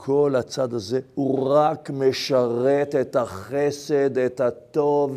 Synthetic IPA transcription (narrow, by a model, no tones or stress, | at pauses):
kʰo̞lat͡sad̪azehuʁakmeʃaʁet̪et̪haχesed̪et̪hat̪o̞v